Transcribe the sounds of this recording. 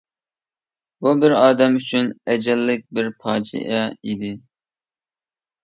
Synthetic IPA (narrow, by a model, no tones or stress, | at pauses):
bubɪɾɑːd̪ɛmyt͡ʃʰynɛd͡ʒɛlːɪk̚ʲbɪɾpʰɑːd͡ʒḭʔɛid̪ɪ